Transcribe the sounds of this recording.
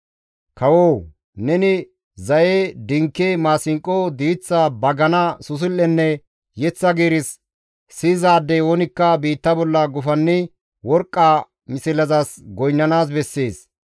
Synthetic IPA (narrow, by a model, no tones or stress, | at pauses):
kɐwoːw | nɛnɪ | zɐjeːd̪ɪŋkːemaːsɪŋkʼːod̪iːt͡sːabɐɡɐnɐsʊs̬ɪlːɛnːɛ | jɛt͡sːɐɡeːɾɪs | siːzaːd̪ːɛoːnɪkːɐbiːt̪ːɐbɔlːɐɡʊfɐnːɪ | wɔɾkʼːa | mɪsɪlɐzasɡɔjnːɐnaːs̬bɛsːe̞ːs